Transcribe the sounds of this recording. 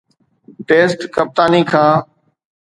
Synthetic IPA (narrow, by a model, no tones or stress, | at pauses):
ʈeːsʈkəp̚t̪aːniːkʰãː